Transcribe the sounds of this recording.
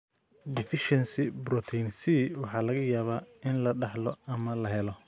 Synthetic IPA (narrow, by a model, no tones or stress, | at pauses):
d̪ɪfɪʃɛnsɪbɾɔt̪ʰɛnsiːwɑħɑːlɐɣɐjaːβaːɪnlɐɖɑħlɔɐmɐlɐɦɛlɔ